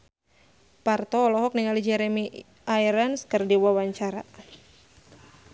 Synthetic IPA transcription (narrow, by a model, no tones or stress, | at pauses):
part̪ɔːlɔɦɔk̚niŋalid͡ʒɛɾɛmi | aiɾanskərdiwawaɲt͡ʃaɾa̰